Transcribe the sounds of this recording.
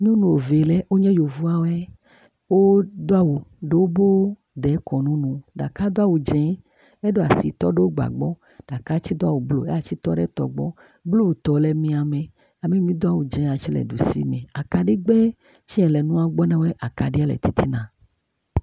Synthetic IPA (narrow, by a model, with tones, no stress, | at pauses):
ɲũ˦nũ˨wo˨ve˨lɛ˦wo˦ɲɛ̃˦jo˨vu˦a˦wɛ˦ | wo˦d̪o˦a˦wo˨ɖe˦wo˦bo˦ | d̪ɛ˨˦kɔ˨nũ˦nũ˨ɖa̰˨ka˦d̪o˦a˦wo˨d͡ʒɛ̃˦ | e˦ɖo˦a˨si˨t̪ɔ˦ɖe˦wo˦ɡ͡ba̰˨ɡ͡bɔ˦ | ɖ̥a˨ka˦t͡ɕi˦d̪o˦a˦˨wo˨blo̰˦e˦a˨t͡ʃi˦t̪ɔ˦ɖḛ˦t̪ɔ̰˨ɡ͡bɔ̰˦ | blo˦wt̪ɔ˨le˨mĩ˦a˨mẽ˨ | a˨mẽ˦mĩ˦d̪o˦a˦˨wo˨d͡ʒɛ̃˨a˨t͡ʃi˦lɛ̰˨ɖu˨sḭ˦mẽ˨a˨ka˨ɖe˦ɡ͡bɛ˦ | t͡ʃi˦ɛ̃˨lɛ˨nũ˦a˨ɡ͡bɔ˦nɛ̃˦wɛ˦ʔa˨ka˨ɖi˦a˦lɛ̰˨t̪i˦t̪ʰi˦nã˨